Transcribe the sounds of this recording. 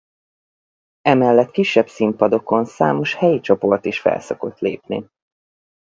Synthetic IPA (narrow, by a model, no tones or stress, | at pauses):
ɛmɛlːɛt̪kiʃːɛbsimpɒd̪o̞ko̞nsa̰ːmo̞ʃhɛjit͡ʃo̞po̞rt̪iʃfɛ̰lso̞ko̞t̪lḛːpnḭ